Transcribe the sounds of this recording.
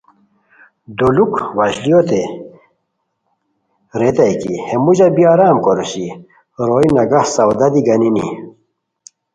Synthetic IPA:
d̪ulukwɐɕlijot̪e | ɾet̪ɐjkḭhemuʑɐbiaɾaːmkoɾusi | ɾoinɐɡɐhsɐwd̪ɐd̪iɡɐninḭ

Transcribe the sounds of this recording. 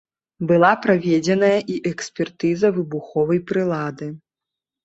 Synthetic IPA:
bɨlˠapɾavʲɛd͡zʲɛnɐjɐʔiʔɛksʲpʲɛrt̪ɨzɐvɨbuxɔvɐjpɾɨlˠad̪ɨ

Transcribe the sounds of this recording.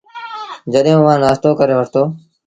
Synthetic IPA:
d͡ʒəɗɦũːʋãːnaːst̪oːkəɾeːʋəʈʰt̪oː

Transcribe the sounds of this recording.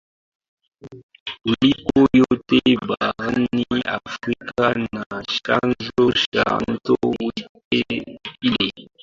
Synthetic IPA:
ulikojotebaɣənia̰fɾikanaʃa̰nzoʃa̰n̩towitepile

